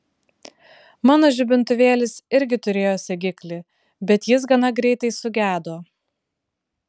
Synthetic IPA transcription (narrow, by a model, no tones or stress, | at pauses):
mɑːnoːʒʲʊbʲɪnt̪ʊʋʲeːlʲɪsɪɾʲɡʲɪt̪ʊɾʲeːjoːsʲɛɡʲɪklʲɪ | bʲɛt̪jɪs̬ɡɐnɐɡɾʲɛɪt̪ɐɪsʊɡʲæːd̪oː